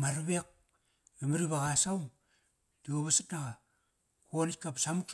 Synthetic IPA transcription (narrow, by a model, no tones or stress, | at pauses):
maɾβek̚ | emaɾiβaɣasaw | dioβasatnaɣa | konikapsamuk